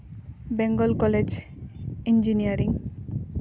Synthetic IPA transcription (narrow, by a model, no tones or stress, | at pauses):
beŋɡɔlkɔled͡ʒ | ind͡ʒinijaɾiŋ